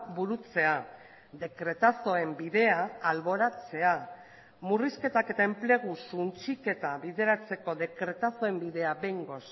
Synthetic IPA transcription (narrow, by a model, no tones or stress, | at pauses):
buɾut͡se̞a | ðe̞kɾe̞t̪aso̞e̞mbiðe̞aːlβo̞ɾat͡se̞a | muriske̞t̪ake̞t̪ae̞mple̞ɣ̞usunt͡ʃike̞t̪aβiðe̞ɾat͡se̞ko̞ðe̞kɾe̞t̪aso̞e̞mbiðe̞abe̞jŋɡo̞s